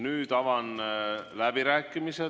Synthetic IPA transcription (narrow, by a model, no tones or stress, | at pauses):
nyːd̪̥ɑvɑnlæb̥iɾæːkːˑimise